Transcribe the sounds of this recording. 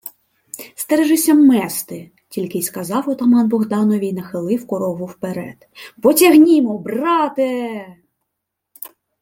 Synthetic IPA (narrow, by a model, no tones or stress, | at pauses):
st̪ɛɾɛʒɪsʲɐmːɛst̪ɪ | tʲilʲkɪjskɐzɑwɔt̪ɐmɑnbɔɣd̪ɑnɔʋʲijnɐxɪlˠɪwkɔɾɔɦʊwpeɾɛ̰d̪̥pɔtʲɐɦnʲimɔbrɑt̪ɪ